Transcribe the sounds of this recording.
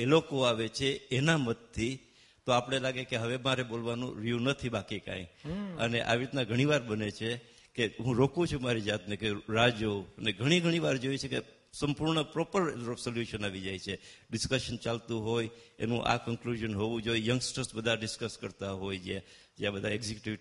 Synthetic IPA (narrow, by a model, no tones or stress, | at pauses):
elokoaʋet͡ʃʰeːnamət̪̚t̪ʰːi | t̪oapəɽ̃elaɡekeɦəʋemaɾebolʋanṵ̃ɾijunət̪ʰibakikã̰iəneʔa̰ʋiɾit̪nãɡʱəɽ̃iʋaɾbənet͡ʃʰe | keɦũɾokũt͡ʃʰumaɾid͡ʒat̪nekeɾad͡ʒoəneɡʱəɽ̃iɡʱəɽ̃iʋaɾd͡ʒoit͡ʃʰeke | səmpuɾɳəpɾɔpəɾsoljuʃənaʋid͡ʒajt͡ʃʰeɖɪskəʃənt͡ʃalt̪ũɦojḛnũʔa̰kəŋkluʒənɦoʋũd͡ʒojjəŋɡsʈɾəsbəd̪ʱaɖɪskəskəɾt̪aɦojd͡ʒe | d͡ʒjabəd̪ʱaeɡzikʈi